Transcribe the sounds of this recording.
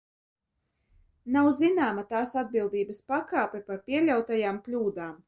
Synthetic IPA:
nawzinaːmat̪aːsad̪̚bilˠd̪iːbɐspakaːpʲɛpaɾpʲiɛlʲawt̪ajaːmklʲuːd̪aːm

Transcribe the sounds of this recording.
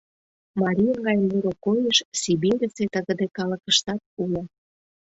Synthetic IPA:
mɑɾʲijəɣɑjəmuɾokojəʃsibiɾʲet͡set̪əɣə̆d̪ekɑlə̆kəʃt̪ɑt̪̚ulə

